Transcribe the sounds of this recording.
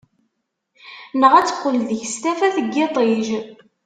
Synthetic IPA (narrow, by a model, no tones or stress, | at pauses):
nəʁæt͡sːə̥qːəlðəçəst̪æfæθəɡːet̪ˤeʒ